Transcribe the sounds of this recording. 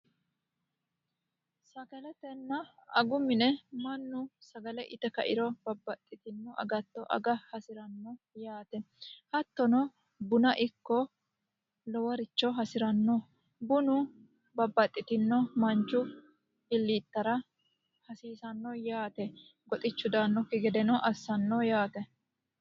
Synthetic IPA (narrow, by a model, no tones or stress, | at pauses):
sɐkɐlɛt̪ɛnːɐɐɡʊmɪnɛmɐnːʊsɐɡɐlɛʔɪt̪ɛkɐʔɪɾɔbɐbːɐt̪ʼːɪt̪ɪnːɔʔɐ̰ɡɐt̪ːɔʔɐ̰ɡɐhɐsɪɾɐnːɔ | jaːt̪ɛhɐt̪ːɔnɔ | bʊnɐʔɪkːɔ | lɔwɐɾɪt͡ʃːɔɦɐsɪɾɐnːɔ | bʊnʊ | bɐbːɐt̪ʼːɪt̪ɪnːɔmɐnt͡ʃːʊ | ɪlːit̪ːɐɾɐ | hɐsiːsɐnːɔjaːt̪ɛ | ɡɔt̪ʼɪt͡ʃːʊd̪aːnːɔkɪɡɛd̪ɛnɔʔɐsːɐnːɔjaːt̪ɛ